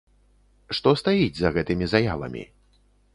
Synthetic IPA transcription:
ʂt̪ɔst̪ajid͡zʲzɐɣɛt̪ɨmʲizaja̰lˠɐ̰mʲḭ

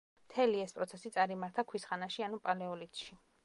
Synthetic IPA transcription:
t̪ʰɛliɛspʼɾɔt̪sʰɛsit̪sʼaɾimaɾt̪ʰakʰwisχanaʃianupʼalɛɔlit̪ʃi

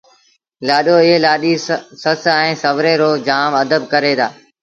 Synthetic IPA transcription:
laːɗoːɪɦelaːɗiːsəsɛ̃ːsəʋɾeːɾoːd͡ʒaːməd̪əb̚kəɾeːd̪aː

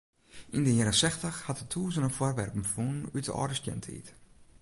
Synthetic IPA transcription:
ʔindəjɛɾəsɛxtəxhatətʰuːzənənfwɔrʋɛrpm̩funn̩ytə̰ʔɔ̰rdəstjɛ̰ntʰəḭt

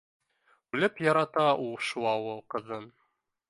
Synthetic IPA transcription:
ʉlɘpjɑɾɑt̪ɑʔulˠʃuɑwɤqɤ̆ðɤn

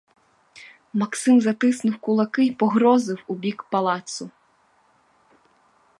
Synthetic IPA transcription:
mɐksɪmzɐt̪ɪsnʊwkʊlˠɐkɪjpɔɦɾɔzɪwubʲikpɐlˠɑt̪sʊ

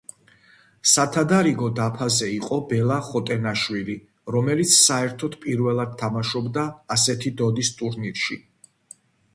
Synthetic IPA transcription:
sat̪ʰad̪aɾiɡɔd̪apʰazɛiqʼɔbɛlˠaχɔt̪ʼɛnaʃwili | ɾɔmɛlit̪sʰsaɛɾt̪ʰɔd̪pʼiɾvɛlˠad̪̚t̪ʰːamaʃɔbd̪aːsɛt̪ʰid̪ɔd̪ist̪ʼuɾniɾʃḭ

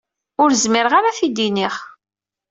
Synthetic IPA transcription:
ʊɾzmɪɾəʁaɾaθid̪iniχ

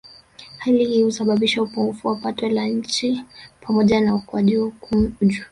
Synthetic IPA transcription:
halihihusaɓaɓiʃaupuŋɡufuwapatɔlaɲ̩t͡ʃipʰamɔʄanaukuaʄiɔd͡ʒu

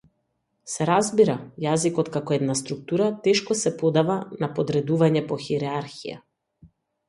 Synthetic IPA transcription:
sɛɾazbiɾajazikɔt̪kakɔɛd̪nast̪ɾuk̚t̪uɾat̪ɛʃkɔsɛpɔd̪avanapɔd̪ɾɛd̪uvaɲɛpɔxiɾɛaɾxḭja̰

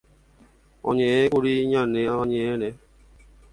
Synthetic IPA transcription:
ɔ̰ɲeekʷʊɾiɲaneaɲeene

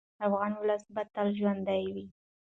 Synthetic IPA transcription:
afɣɑnwʊləsbat̪alʒwand̪ajwi

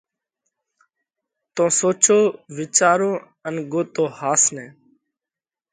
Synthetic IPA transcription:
t̪õːsoːt͡ʃoːʋɪt͡ʃaːɾõː | ənɡoːt̪oːhaːsnɛ̃ː

